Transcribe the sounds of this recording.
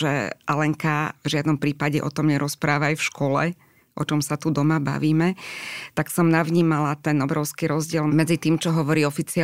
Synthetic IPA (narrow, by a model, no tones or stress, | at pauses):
ʒɛ̰ʔalɛŋkavʒɪad̪nɔmpɾiːpaɟɛʔɔ̰t̪ɔmɲɛɾɔspɾaːʋaajfʃkɔlɛ̰ | ʔɔ̰t͡ʃɔmsat̪ud̪ɔmaba̰ʋiːmɛt̪aksɔmnaʋɲiːmalat̪ɛnɔbɾɔʊskiɾɔzɟɪɛlmɛd͡zit̪iːmt͡ʃɔɦɔʋɔɾiːɔfit͡sia